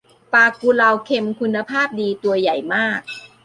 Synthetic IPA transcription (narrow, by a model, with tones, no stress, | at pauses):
paː˧ku˧la˧wkʰe˧mkʰu˧nːa˧pʰaː˥˩p̚diː˧t̪u˧ɐja˨˩jmaː˥˩k̚